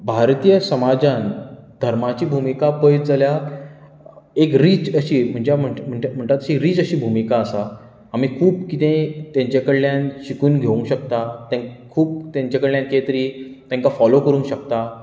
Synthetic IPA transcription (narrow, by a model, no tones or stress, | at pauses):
bʱaɾt̪ijəsəmad͡zãnd̪ʱəɾmat͡ɕiːbʱumikapəjd͡zəlja | ekɾiːd͡zəɕiːm̤əɳd͡ʑem̤əm̤əɳm̤əɳt̪at̪əɕiːɾiːd͡zəɕiːbʱumikaəsa | amiːkʰuːpkit̪ẽt̪jãɲt͡ɕakəɽljãnɕikuːnɡʱeũŋɕəkt̪at̪ãkʰuːp̚t̪jãɲt͡ɕakəɭljãnkejt̪ɾiːt̪jãŋkafɔlokəɾũːnɕək̚t̪a